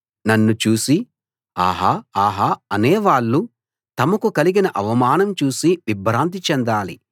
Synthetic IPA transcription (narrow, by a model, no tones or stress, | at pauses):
nɐnːut͡ʃuːsi | a̰ːɦaaːɦaɐneːʋaːɭːu | t̪ɐmɐkukɐliɡinɐʔɐʋɐmaːnɐmt͡ʃuːsiʋibɾaːnt̪̬it͡ʃɛnd̪aːlḭ